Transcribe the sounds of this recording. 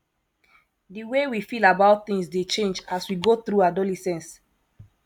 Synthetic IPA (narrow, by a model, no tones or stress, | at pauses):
diwewifilabaʊt̚θĩŋsdet͡ʃẽnd͡ʒaswiɡoθɾuadolɛsɛ̃ns